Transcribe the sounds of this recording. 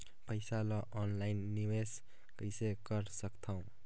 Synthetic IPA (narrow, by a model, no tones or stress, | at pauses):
pəjsalʌʔɔnlajnːiwes | kəjsekʌɾsʌkt̪ʰʌw̃